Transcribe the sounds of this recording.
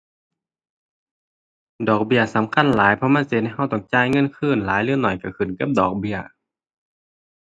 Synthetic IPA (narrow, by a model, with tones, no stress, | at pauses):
dɔː˨˩k̚bi˧˩ɐsa˨˦mkʰa˧˥˨nlaː˨˦jpʰɔ˧˨maː˧˥˨se˧˩ha˧˩jɦa˧˩˨wt̪ɔ˧˩ŋt͡ɕaː˧˥˨jŋɤ˧˥˨nkʰɯː˧˩˨nlaː˨˦jlɯ˧˥˨nːɔ˨˩jka˧˩kʰɯ˨˩nka˧˥p̚dɔː˨˩k̚bi˧˩ɐ